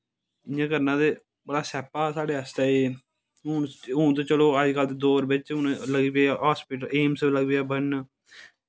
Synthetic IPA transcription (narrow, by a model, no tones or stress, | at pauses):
ɪjãːkəɾnãːd̪eː | bəɽaːsɛːpaːsaːɽeːəst̪aːeː | ɦʊnɦuːnt̪õːt͡ʃəloːəd͡ʒkəld̪eːd̪oːɾbɪt͡ʃʊnləɡiːpeːɦaːspɪʈəleːmsləɡbeaːbən